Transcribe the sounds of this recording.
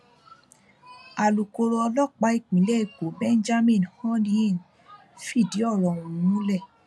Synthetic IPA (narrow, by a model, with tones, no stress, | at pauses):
a˨lu˨ko˧ɾɔ˧lɔ˦˨k͡pa˨˦i˦˨k͡pĩ˨˦lɛ˦i˦˨ko˨˦bɛ̃˦nd͡ʒa˦mĩ˦˨nhɔ̃˦nĩ˦ĩ˦˨n | fi˦˨di˨˦ɔ˦˨ɾɔ̃˨ũ˨˦nũ˦lɛ˦˨